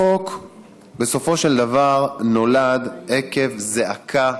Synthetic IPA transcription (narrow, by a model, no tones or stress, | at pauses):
ok | be̞so̞fo̞ʃe̞ld̪avaʁno̞lad̪eke̞vzeʔakʰa